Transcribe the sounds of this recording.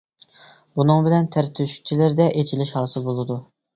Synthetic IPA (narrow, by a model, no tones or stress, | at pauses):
bunɨŋbɪlɛnt̪ʰæɾt̪ʰyʃy̥k̚ʲt͡ʃʰilɪɾd̪ɛʔet͡ʃʰilɪʃhɑːsɨlˠbolˠɨd̪u